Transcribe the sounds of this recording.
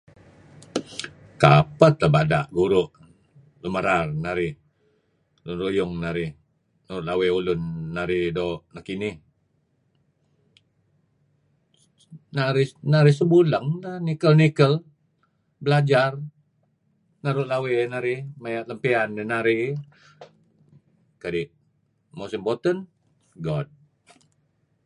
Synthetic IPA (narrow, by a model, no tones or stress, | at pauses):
ka̰pət̪əbada̰ʔɡuɾʊʔ | luməɾarnaɾɪh | lʊnrujʊŋnaɾɪ | naɾʊʔlaweulʊnːaɾɪdoʔnakinɪh | naɾɪnaɾɪs̬əbuləŋnanikəlnikəl | bəlad͡ʒar | naɾʊʔ̚lawenaɾɪmajaləmpianːenaɾi | kadi | musɪmbot̪ən | ɡɔd̚